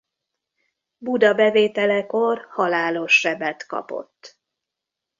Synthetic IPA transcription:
bud̪ɒbɛveːt̪ɛlɛko̞rhɒlaːlo̞ʃːɛbɛt̪kɒ̰po̞̰t̪ː

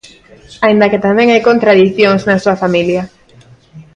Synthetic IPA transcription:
aĩnd̪ɐkɪt̪amɛ̃ŋajkont̪ɾaðiθjoŋznɐsuɐfamiljɐ

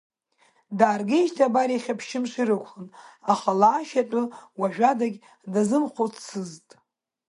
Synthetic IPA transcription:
daːrɡeʒtʰabaɾiχʲapʰʃɪmʂʷiɾɨkʷʰχɨnaχalaːʃatʼɨwaʒᶣadaɡʲ | dazɨmχʷot͡sʰsɨztʼ

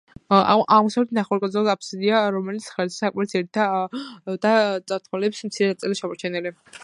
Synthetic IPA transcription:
aʁmusavlɛt̪ʰnaχwaɾkʼɔd̪zɔlapʰsid̪iaɾɔmɛlit̪sʰχɛlssakʼmaɾɛt̪sɛɾit̪ʰa | d̪̥at̪sʼaɾt̪ʰmalɛpsmt̪sʰiɾɛnat̪sʼiliʃamɔɾt͡ʃʰɛnili

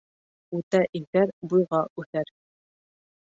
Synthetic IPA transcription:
ʉt̪æʔimkæɾbujʁɑʉθæɾ

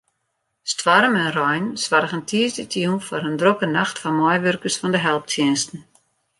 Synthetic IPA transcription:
stʋaɾəmɛnrɔjnsʋarɣəntʰiəsdətʰjunfɔɾəndrokənaxtfɔmɔjʋørkəsfɔndəɦɛlˠp̚tʰjɪnstn̩

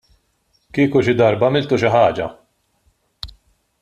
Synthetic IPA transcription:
kiːkuʃɪd̪ɐɾbɐmɪlt̪uʃɪħɐːd͡ʒɐ̰

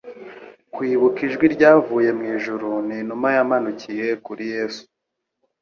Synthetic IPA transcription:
kwiːβukiʒɡwiɾɟaːvuːje̞mŋiːʒuɾuninumajamanucije̞kuɾije̞ːsu̥

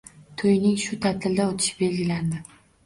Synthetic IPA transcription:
t̪ʰojnɪŋʃʊt̪ʰat̪ʰɪld̪aot̪ʰɪ̥ʃɪ̥be̞lɡʲɪland̪ɪ

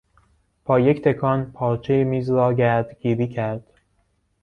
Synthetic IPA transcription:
b̥ʰɒːject̪ʰe̞kʰɒːnpʰɒːɾt͡ʃʰejemiːzɾɒːɟæɾd̪ɡ̥iːɾiːcʰæɾd̪̥

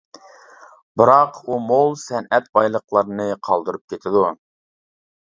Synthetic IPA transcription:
bɨɾɑqumolˠsɛnɛt̪̚bɑjlˠəqlˠɑɾnɨqʰɑlˠd̪ɨɾup̚kʲʰet̪ʰɪd̪u

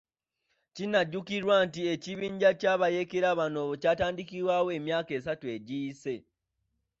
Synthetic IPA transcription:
cinaɟːukiɾwantie̞ciβiːɲɟacaβajekeɾaβano̞βocaːtaːndikiwawoe̞ːmjaːke̞ːsatue̞ɟiːse̞

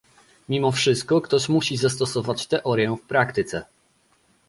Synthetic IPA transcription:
mʲimɔfʂɘst̪̚kɔkt̪ɔɕmuɕizast̪ɔsɔvat͡ɕt̪ɛʔɔɾʲjɛfpɾakt̪ɘt̪sɛ

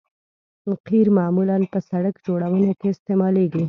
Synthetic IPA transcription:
qiɾmɑmulanpəsaɽəkd͡ʒoɽawənokeɪst̪emɑleɡi

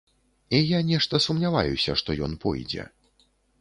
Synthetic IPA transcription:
ijanʲɛʂt̪ɐsumnʲava̰jusʲɐʂt̪ɔjɔnpɔ̰jd͡zʲɛ̰

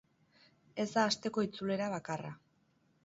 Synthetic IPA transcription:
e̞zd̪aːst̪e̞ko̞it͡sule̞ɾaβ̞akara̰

